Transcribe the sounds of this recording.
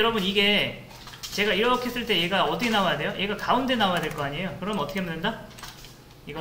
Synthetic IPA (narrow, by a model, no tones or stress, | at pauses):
jʌɾʌbɯniɡe̞ | t͡ɕe̞ɡaiɾʌkʰees͈ɯɭt͈e̞jeɡaʌt͈ʰikʰenaoajade̞joʔeɡakaunde̞naojadwe̞ɭk͈ʌaɲiejokɯɾʌmʌt͈ʰʌkʰemanɯnda | iɡʌ